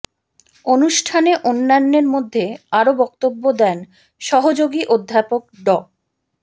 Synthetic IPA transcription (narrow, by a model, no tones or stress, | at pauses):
onuʃʈʰaneʔonːanːeɾmod̪ʱːeaɾobɔk̚t̪obːod̪ɛn | ʃɔɦod͡ʑoɡiʔod̪ʱːapok̚ɖɔ